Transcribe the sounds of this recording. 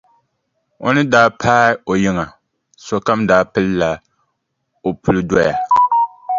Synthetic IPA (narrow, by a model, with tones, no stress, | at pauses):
o̰˦nɨ˦daː˦pʰaː˦o˨ji˦ŋa˨ | so˨ka˦mdaː˦pɨ˦lɨ˦la˨ | o˨pu˦lɨ˦dɔ˦ja˨